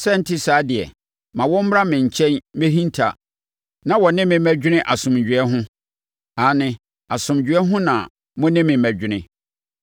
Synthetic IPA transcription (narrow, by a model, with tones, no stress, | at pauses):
sɛ˦n̩˦tʰi˦saː˨˦dɪ˨ɛ̰˨ | mã˨wɔ̃˦m̩˦m˦ɾa˦mɪ̃˨ɲ̩˨t͡ɕʰɛ̃˦nme˦ɦĩ˦n˦tʰa̰˨ | nã˨wɔ˨nɪ̃˦mɪ̃˨mæ˨d͡ʑᶣɪ˦nɪ̃˦ʔa˨sʊ̃˨md͡ʑᶣɥɛ˦ɦʊ̃˦ | a˨˦nɪ̃˦ | a˨sʊ̃˨md͡ʑᶣɥɛ˦ɦʊ̃˦nã̰˨ | mʊ̃˦nɪ̃˦mɪ̃˨mæ˨d͡ʑᶣɪ˦nɪ̃˦